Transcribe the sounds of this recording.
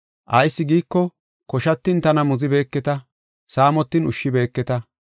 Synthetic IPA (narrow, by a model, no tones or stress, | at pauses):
ʔɐjsːɪɡiːkːɔ | kɔʃɐt̪ːɪnt̪ɐnɐmʊzɪbe̞ːkːɛt̪ɐ | saːmɔt̪ːɪnʊʃːɪbe̞ːkːɛt̪ɐ